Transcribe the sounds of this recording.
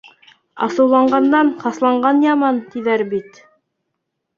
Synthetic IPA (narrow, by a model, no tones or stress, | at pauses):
ɑ̰sɤ̆wlˠɑɴɢɑnd̪ɑnχɑslˠɑɴɢɑnjɑmɑnt̪iðæɾbit̪